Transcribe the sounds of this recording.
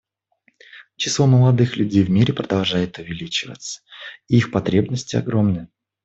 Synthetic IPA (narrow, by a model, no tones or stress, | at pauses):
t͡ɕɪ̥slˠo̞məlˠɐd̪ɨxlʲʉdʲejvmʲiɾʲɪpɾəd̪ɐlˠʐajɪt̪ʊvʲɪlʲit͡ɕɪvə̰t̪sə̥iixpɐt̪ɾʲe̞bnəsʲtʲɪɐ̰ɡɾo̞mnɨjə